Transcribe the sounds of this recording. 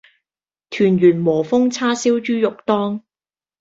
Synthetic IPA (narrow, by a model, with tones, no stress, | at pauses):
t̪ʰyː˨˩njyː˨˩nmɔː˨˩fʊ˥ŋt͡sʰaː˥siː˥wt͡ʃyː˥jʊ˨k̚t̪ɔː˥ŋ